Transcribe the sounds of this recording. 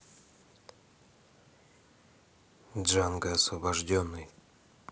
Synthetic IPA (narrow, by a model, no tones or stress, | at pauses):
dʐanɡəɐsvɐbɐʐdʲonːɨj